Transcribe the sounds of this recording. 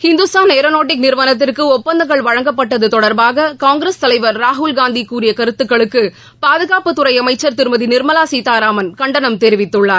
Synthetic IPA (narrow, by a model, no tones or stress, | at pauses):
hɪnd̪ɯsaːneːɾɐnoːʈ̬ːɪk̚nɪɾʋɐnɐt̪̬ːɪrkɯɔpːɐnd̪ɐŋɣɐɭʋɐɻɐŋɡɐpːɐʈːɐðɯt̪ɔɽɐɾbaːɣɐkaːŋɡɪɾest̪ɐlɐɪʋɐɾːaːɦʊlɡaːnd̪ikːuːɾɪjɐkɐɾɯt̪ːɯkːɐɭɯkːɯ | paːðɯɣaːpɯt̪ːʊrɐɪɐmɐɪt͡ʃːɐɾt̪ɪɾɯmɐðinɪɾmɐlaːsiːt̪aːɾaːmɐnkɐɳɖɐnɐmt̪eːɾɪʋɪt̪ːɯɭːaː